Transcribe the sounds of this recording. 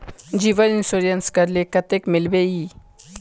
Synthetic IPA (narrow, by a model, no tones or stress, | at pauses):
d͡ʒiʋəninsoɾijɐnskɐɾlekɐt̪ekmɪlbeji